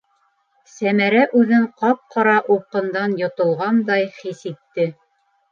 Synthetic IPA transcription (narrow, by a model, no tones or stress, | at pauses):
sæmæɾæʔʉðɘɴqɑp̚qɑɾɑʔuqːɤ̆nd̪ɑnjŏt̪ŏlˠʁɑnd̪ɑjχisit̪ːɘ